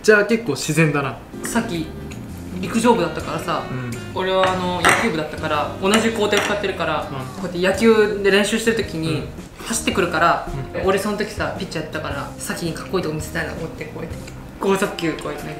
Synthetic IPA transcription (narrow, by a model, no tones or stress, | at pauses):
d͡ʑaːke̞kːo̞ːɕizẽ̞nd̪ana | sakʲːi | ɾʲikɯ̟ʑo̞ːbɯ̟d̪at̪ːakaɾasa | oɾe̞βaːno̞jakʲɨ̟ːbɯ̟d̪at̪ːakaɾaonaʑiko̞ːt̪e̞ot͡sɨkat̪ːe̞ɾɯ̟kaɾako̞et̪ːejakʲɨːd̪e̞ɾẽ̞ɰ̃ɕɨːɕi̥t̪eɯ̟t̪̬o̞kʲiɲ̟i | haɕi̥t̪ːe̞kɯ̟ɾɯ̟kaɾao̞ɾe̞sonot̪o̞kʲi̥sapʲit͡ɕːajat̪ːet̪ːakaɾasakʲiɲ̟ikḁkːo̞iːt̪okːomise̥t̪aina̰t̪omot̪ːekoet̪ | ɡ̥oːzakʲːɨːkoːet̪ene